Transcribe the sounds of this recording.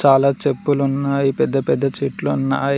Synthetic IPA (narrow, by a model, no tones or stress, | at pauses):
t͡ʃaːlaːt͡ʃepːulunːaːjipɛd̪ːɐpɛd̪ːɐt͡ʃiːʈluunːa̰ː